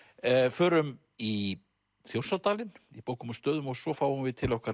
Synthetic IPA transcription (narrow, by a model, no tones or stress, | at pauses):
fœːɾʏm | i | θjowɾ̥sawt̪aːlɪnipowkʏmɔst̪œːðʏmɔɣsɔfaːwʏmvɪðt̪ʰɪlɔhkvaɾ